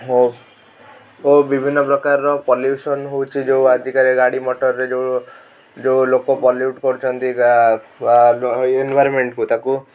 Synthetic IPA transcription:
ɦo | obibʱinːɔpɾɔkaɾːɔpɔljusɔnɦowt͡ʃʰid͡ʒewad̪ʱikaɾeɡaɽimoʈɔɾɾed͡ʒe | d͡ʒelokɔpɔljuʈkɔɾut͡ʃʰɔnt̪i | enbʱajɾɔmeɳʈkut̪aku

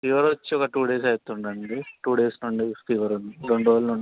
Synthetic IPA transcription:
iʋɐɾɐʋɐt͡ʃːiɔkɐʈuːɖeːsɐjt̪ːuɳɖɐɳɖiʈuːɖeːsnuɳɖip̪iːʋɐɾuniɾeɳɖuʋɐlnuɳ

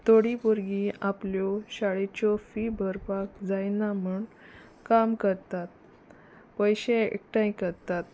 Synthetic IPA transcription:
t̪oɽipoɾɡĩapljɔɕaɭet͡ɕɔfibʱəɾpakd͡zajnamuɳ | kamkəɾt̪at̪̚ | pəjɕẽḛk̚ʈãĩkəɾt̪at̪̚

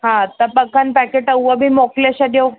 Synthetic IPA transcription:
ɦãət̪apəkːanpɛkeʈəwʋəbʱiːmɔklaɕad̪je

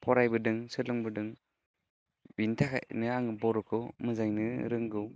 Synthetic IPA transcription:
pʰɔɾajbɯdɯŋsɯlɯŋbɯdɯŋ | bintʰakʰa̰ʔnɯaŋbɔɾɔkʰɯmɯzajnɯɾɯŋɡɯw

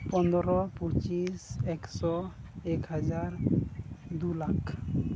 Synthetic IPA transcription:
pɔnd̪ɔɾɔpɔt͡ʃisɛksɔɛkhad͡ʒaɾ | d̪ulakʰ

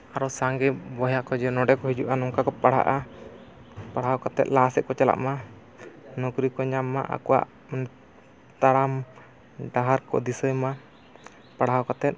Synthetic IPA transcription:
aɾɔsaŋɡɛbɔjaʔkɔd͡ʒɛnɔɖɛkɔhid͡ʒuʔanɔŋkakɔpaɽ̤ɦa̰ʔa | paɽ̤awkat̪ɛ̰t̪̚lasɛʔ̪̚kɔt͡ʃala̰ʔma | nɔkɾikɔɲamːa̰ʔa̰kɔwa̰ʔ | nɛ | t̪aɽam | ɖaɦaɾkɔ̰d̪isəjma | paɽ̤ɦawkat̪ɛt̪̚

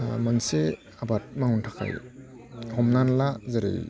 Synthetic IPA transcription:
manse | abat̚maŋuntʰakʰa̰j | hɔmnanlazaɾḛj

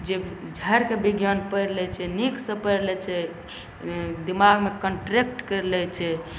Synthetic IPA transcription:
d͡ʒed͡ʒʱəɾkebiɡjanpəɾlɛt͡ʃʰɛniksə̃pəjɾlɛt͡ʃʰɛ | d̪imaɡmekəɳʈɾekʈkəɾlɛt͡ʃʰɛ

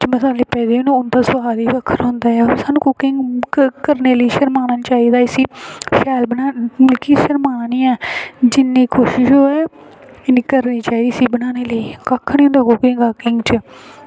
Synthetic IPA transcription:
t͡ʃməsaːleːpɛːd̪eːonũʊnd̪aːsʊaːd̪iːʋəkʰːəɾɦõːnd̪aːɛːoɾsaːnũːkʊkɪŋɡkəɾneːləiːʃəɾmaːnəːnt͡ʃaːiːd̪aːɪsiːʃɛːlbənaːmʊlkiːʃəɾmaːniːɛːd͡ʒɪnːiːkʰoːʃɪʃɦoːɛː | ɪniːkəɾniːt͡ʃaːiːd̪iːsiːbənaːneːləiːkakʰːniːɦʊ̃ːnd̪aːkʊkɪŋɡaːkɪŋɡt͡ʃə

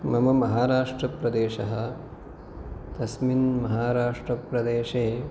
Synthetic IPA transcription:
mɐmɐmɐɦaːɾaːʂʈɾɐpɾɐd̪eːʃɐɦɐ̆ | t̪ɐsminmɐɦaːɾaːʂʈɾɐpɾɐd̪eːʃeː

